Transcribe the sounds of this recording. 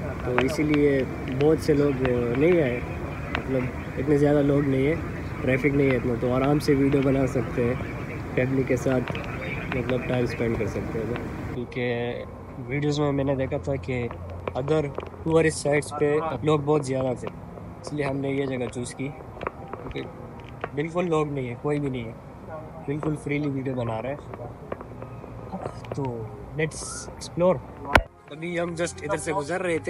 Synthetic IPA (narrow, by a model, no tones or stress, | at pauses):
t̪oːɪsilie | bɔːt̪seloːɡnɐɦĩaːe | mɐt̪ləb | ɪt̪nezjaːd̪aloːɡnɐɦĩɦɛ̃ː | ʈɾɛːfɪknɐɦĩɛːt̪nat̪oɔːɾaːmseʋiːɖijobɐnasɐk̚t̪eɦɛ̃ː | kɛːbnikesaːt̪ʰmɐt̪ləb̚ʈaːɪmspɛ̃ɳɖkɐɾsɐk̚t̪eɦɛ̃t̪oːkũːke | ʋiːɖijoːzmẽmɛ̃ːned̪eːkʰat̪ʰaki | ɐd̪əɾuəɾɪsːaːɪʈspeloːɡ̚bɔːt̪zjaːd̪at̪ʰeː | ɪslieɦɐmnejed͡ʒɐɡat͡ʃuːski | kũːke | bɪlkʊlːoːɡnɐɦĩɦɛ̃koːibʱinɐɦĩɦɛ | bɪlkʊlfɾiːliʋiːɖijobɐnaːɾɐɛ̃ː | t̪oː | nɛʈsɪksploːɾ | ɐbʱiɦɐmd͡ʒɐsʈɪd̪əɾseɡʊzəɾːɐɦɛt̪ʰe